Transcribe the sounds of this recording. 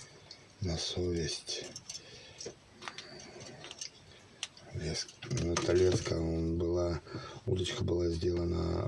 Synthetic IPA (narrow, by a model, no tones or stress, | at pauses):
nɐsovʲɪsʲtʲ | not̪ɐlʲeskəonbɨlˠaud̪ət͡ɕkəbɨlˠazʲdʲelˠənə̰